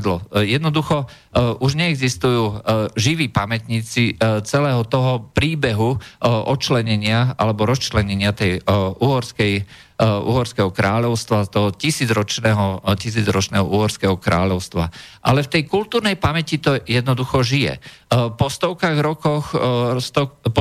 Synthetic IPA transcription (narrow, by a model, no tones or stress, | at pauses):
d̪lɔjɛd̪nɔd̪uxɔ | ʔuʒɲɛɛɡzist̪ujuːʒiʋiːpamɛt̪ɲiːt͡sit͡sɛlɛːɦɔt̪ɔɦɔpɾiːbɛɦuʔɔt͡ʃlɛɲɛɲɪaa̰lɛbɔɾɔst͡ʃlɛɲɛɲɪat̪ɛjuːɦɔɾskɛj | ṵːɦɔɾskɛɦɔkɾaːʎɔʊst̪ʋat̪ɔɦɔcisiːd͡zɾɔt͡ʃnɛːɦɔcis̬iːd͡zɾɔt͡ʃnɛːɦɔʔuːɦɔɾskɛɦɔkɾa̰ːʎɔʊst̪ʋa̰ʔalɛft̪ɛjkult̪uːɾnɛjpamɛcit̪ɔjɛd̪nɔd̪uxɔʒijɛ̰pɔst̪ɔʊkaɣɾɔkɔxst̪ɔp